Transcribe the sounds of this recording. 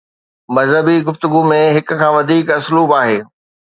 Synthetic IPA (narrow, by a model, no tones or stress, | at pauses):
mɐzəbiɡʊft̪ʊɡumẽɦɪkʊ̆kʰãːʋɐd̪ʱiːkɐsluːbaːɦeː